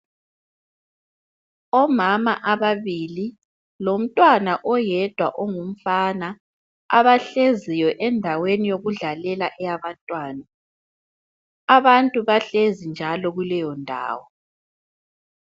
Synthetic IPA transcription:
ɔmamaʔaβaβili | lom̩tʼwanaʔɔjɛd̥ʱwa̰ʔoŋum̩fana | a̰βaɬezijɔʔɛndʱawenijoɣuɮalɛlaʔɛjaβantʼwaːna | aβantʼuβaɬezind͡ʒʱalɔɣulɛjɔndʱa̰ːwɔ

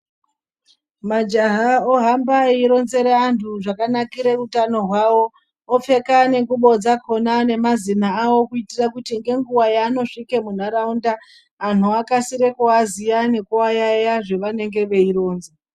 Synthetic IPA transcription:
mad͡ʒaɦaoɦambaeiɾo̞nze̞ɾeantʰuʐakanakiɾerutano̞ɦwawo̞ | ofe̞kane̞ŋɡuɓo̞d͡zakʰo̞nane̞mazinaːwo̞kuitirakutiŋɡe̞ŋɡuwajaːno̞ʂike̞mun̤aɾaunda | an̤uakasiɾekoazijane̞kuajajaʐe̞ʋane̞ŋɡe̞ʋe̞iɾo̞ːnze

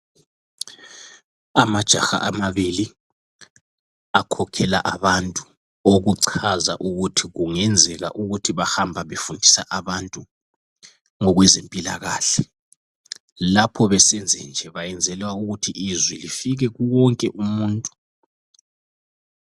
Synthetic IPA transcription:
amad̥ʒ̥ʱa̰xa̰ʔamaβili | akʰɔkʰɛlaʔaβantʼu | oɣuǀʰaza̰ʔuɣutʰiɣuŋɛnd͡zʱɛɣa̰ʔuɣutʰiβahambʱaβefundʱisaʔaβantʼu | ŋɔɣwɛzempʼila̰ɣaːɬɛ | lapʰɔβɛsɛnd͡zʱɛnd͡ʒʱɛβajɛnd͡zʱɛlwauɣutʰiʔːzwilifiɣɛɣuwɔŋkʼɛʔumuːntʼu̥

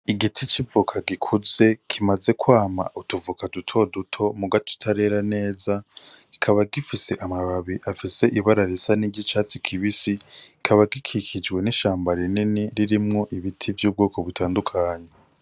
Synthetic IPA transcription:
iɡitʰit͡ʃivukʰaɡikʰuze̞kʰimaze̞kwaːma̰ʔutuvukadutʰo̞dutʰo̞muɡatʰu̥tʰaɾe̞ɾane̞ːzaɡ̥ikʰaβaɡifise̞ʔamaβaβiʔafise̞ʔiβaɾaɾesaniɟit͡ʃaːt͡sikʰiβisi | kʰaβaɡikʰikʰid͡ʒɡwe̞niʃaːmbaɾininiɾiɾimŋo̞ʔiβitʰivjuːb̚ɡoːko̞βutʰaːndukʰaːɲe

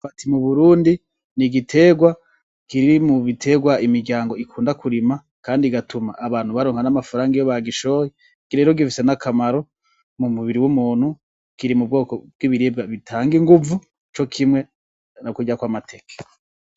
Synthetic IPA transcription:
fatimuβuɾuːndi | niɡitʰe̞ɡwa | kiɾiimuβitʰe̞ɡwaimiɾɟaːŋɡo̞ikʰuːndakʰuɾima | kaːndiɡatumaʔːβaːn̥huβaɾoːŋhanamafaɾaːŋɡijoβaɡiʃoːji | ɡ̥iɾe̞ːɾoɡifisenakʰamaɾo | mumuβiɾiwumuːn̥hu | kiɾimub̚ɡo̞ːkob̚ɡ̥iβiɾiːb̚ɡaβitʰaːŋɡiŋɡuvu | t͡ʃo̞kʰimwe̞ | nokuɟakwamatʰe̞ke̥

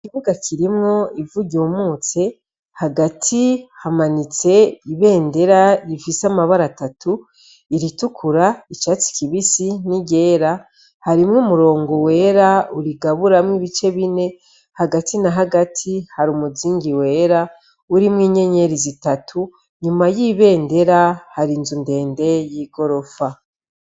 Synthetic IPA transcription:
ikivuɡakʰiɾimŋo̞ivuɟomuːt͡se̞ | haɡatʰihamanit͡se̞iβe̞ːnde̞ɾaifisamaβaɾatatu | iɾitukʰuɾait͡ʃat͡si̥kiβisiniɟe̞ːɾa | haɾimŋumuɾo̞ːŋɡo̞we̞ɾauɾiɡaβuɾamŋiβit͡ʃe̞βine̞ | haɡatinaɦaɡatʰihaɾumuziːŋɡiwe̞ːɾa | uɾimŋiːɲe̞ɲe̞ɾizitatʰu | ɲumajiβe̞ːnde̞ɾahaɾinzunde̞ːnde̞jiːɡo̞ɾo̞fa

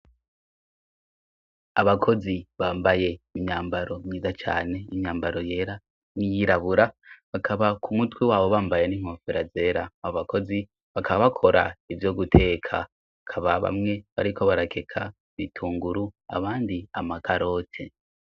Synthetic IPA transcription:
aβakʰo̞ziβaːmbaje̞imɲaːmbaɾo̞mɲiːzat͡ʃa̰ːne̞imɲaːmbaɾo̞je̞ːɾa | nijiɾaβuɾaβakʰaβakumutwiwaːβo̞βaːmbaje̞niːŋ̥ho̞ːfeɾaze̞ːɾaaβako̞zi | βakʰaβaβakʰo̞ɾa̰ivjo̞ɡutʰe̞ːkʰa̰ | βakʰaβaβa̰mŋe̞βa̰ɾiko̞βaɾakʰe̞kʰa | βitʰuːŋɡuɾua̰βaːndiamakʰaɾo̞tʰe̞̰

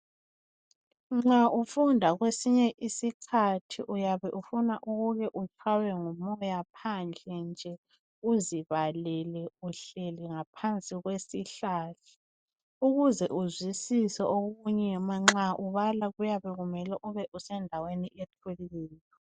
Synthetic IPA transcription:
ŋ͡ǁaʔufundʱaɣwesiɲɛʔisikʰatʰḭʔujaβɛʔufunaʔuɣuɣɛʔut͡ʃʰʼwawɛŋumɔjapʰand͡ɮʱɛnd͡ʒʱɛ | uziβalɛlɛuɬeliŋapʰant͡sʼiɣwesiɬaɬḁ | uɣuzɛʔuzwisisɛʔoɣuɲɛmaŋ͡ǁaʔuβalaɣujaβɛɣumɛlɛʔuβɛʔusɛndʱaweniʔetʰuliːjɔ

